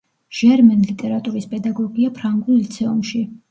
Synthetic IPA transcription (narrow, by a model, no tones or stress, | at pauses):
ʒ̥ɛɾmɛnlit̪ʼɛɾat̪ʼuɾispʼɛd̪aɡɔɡiapʰɾaŋɡulˠit̪sʰɛumʃi